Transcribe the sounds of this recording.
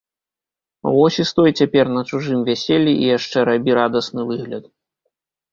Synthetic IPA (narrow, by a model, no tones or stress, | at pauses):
vɔsʲist̪ɔjt͡sʲapʲɛrnɐt͡ʂuʐɨmvʲasʲelʲːiʔḭjaʂt͡ʂɛɾabʲiɾad̪ɐsnɨvɨɣlʲɐt̪